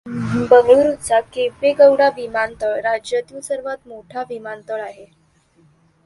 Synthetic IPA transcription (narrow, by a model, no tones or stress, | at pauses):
bəŋɡɭɾutt͡sakepeɡəwɽaʋimant̪əɭɾad͡ʑjət̪jusəɾʋat̪moʈʰaʋimant̪əɭaɦe